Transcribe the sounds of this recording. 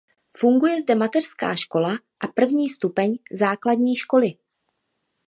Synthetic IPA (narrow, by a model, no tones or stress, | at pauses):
fuŋɡujɛzdɛmat̪ɛr̥ska̰ːʃko̞la | ʔapr̩vɲiːst̪upɛɲzaːkladɲiːʃko̞lɪ